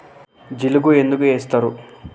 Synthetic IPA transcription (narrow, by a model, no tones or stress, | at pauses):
d͡ʒiluɡuend̪uɡueːst̪ɐɾu